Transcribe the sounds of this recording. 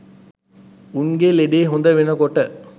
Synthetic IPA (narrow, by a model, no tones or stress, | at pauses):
uŋɡeleɖeːɦond̪əʋenəkoʈə